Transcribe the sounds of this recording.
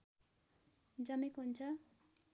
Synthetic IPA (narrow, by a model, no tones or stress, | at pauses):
d͡zʌmekoɦunt͡sʰʌ